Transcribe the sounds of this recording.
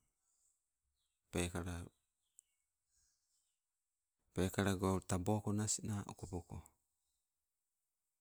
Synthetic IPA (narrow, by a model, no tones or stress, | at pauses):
pekaɾa | pekaɾaɡatabokonasinaʔo̰kopoko̰